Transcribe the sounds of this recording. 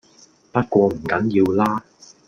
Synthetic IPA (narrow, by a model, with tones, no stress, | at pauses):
pɐ˥t̚kʷɔː˧m̩˨˩kɐ˨˥njiː˧wlaː˥